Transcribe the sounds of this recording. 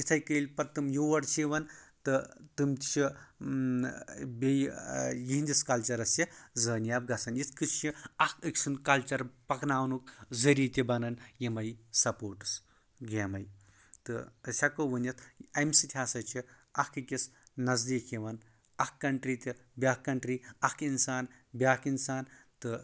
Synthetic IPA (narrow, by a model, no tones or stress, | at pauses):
jit͡s̪ʰɐjkəilʲpɐɾt̪ɨmjuʋɐɽt͡ʃʰiʋɐnt̪ɨt̪ɨmt̪it͡ʃʰi | bejjiɦnʲd̪ʲiskɐlt͡ʃɐɾɐsizəːnjab̚ɡɐsɐnjit͡sʰkɨt͡ʃt͡ʃʰiɐkəkʲsunkɐlt͡ʃɐɾpɐknaːwnuk̚zəɾiːt̪ʲibɐnɐnjimɐjsɐpoːɾʈɨ̥s | ɡeːmɐj | t̪ɨɐsʲakoʋɐnɐt̪ʰɐjmsɨt̪ʰʲaːsɐt͡ʃʰi | ɐkɨkʲisnɐzd̪iːkʰiʋɐn | ɐkkːɐɳʈɾit̪ʲibʲaːkːɐɳʈɾiːɐkinsaːn | bʲaːkinsaːnt̪ɨ